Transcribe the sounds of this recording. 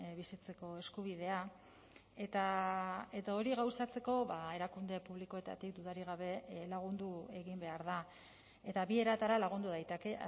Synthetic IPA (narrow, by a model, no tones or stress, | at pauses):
βisit͡se̞ko̞e̞skuβ̞ið̞e̞a | e̞t̪ae̞t̪ao̞ɾiɣawsat͡se̞ko̞βae̞ɾakund̪e̞puβliko̞e̞t̪a̰t̪ikd̪uðaɾiɣ̞aβ̞e̞laɣ̞und̪ue̞ɣimbe̞aɾða | e̞t̪aβie̞ɾat̪aɾalaɣ̞und̪uðajt̪eke̞